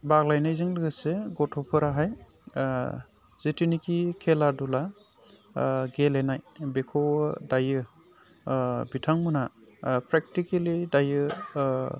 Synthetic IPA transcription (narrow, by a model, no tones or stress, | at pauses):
baɡlajnajzɯŋlɯɡɯseɡɔtʰɔpʰɯɾaɦaj | zetinikikʰeladula | ɡelenajbekʰowdajɯ | bitʰaŋmɯnapʰɾek̚tikelidajɯ